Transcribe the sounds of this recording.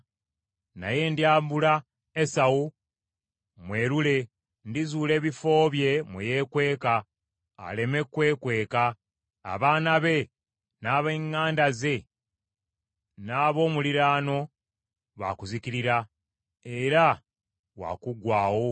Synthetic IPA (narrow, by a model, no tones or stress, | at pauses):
na̰je̞ːndjaːmbula | esawu | mwe̞ːɾule̞ | ndizuːle̞ːβifo̞ːβje̞mweje̞ːkwe̞ːka̰ː | le̞me̞kwe̞ːkwe̞ːka̰ː | βaːnaβe̞ | naːβeŋːaːndaze̞ | naːβo̞ːmuliɾaːno̞ | βa̰kuzikiɾiɾa | eɾa | wa̰ːkuɡwaːwo̞